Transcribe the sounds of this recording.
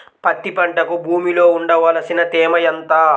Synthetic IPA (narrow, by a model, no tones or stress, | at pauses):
pɐt̪ːipɐɳʈɐkubʱuːmiloːuɳɖɐʋɐːlɐsinɐt̪ɛːmɐjɐnt̪aː